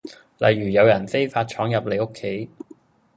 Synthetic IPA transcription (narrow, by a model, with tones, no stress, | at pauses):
lɐ̰˨˩jːyː˨˩jɐ˨˧wjɐ˨˩nfe˥jfaː˧t̚t͡ʃʰɔː˨˥ŋjɐ˨p̚le˨˧jo˥kʰːe˨˥j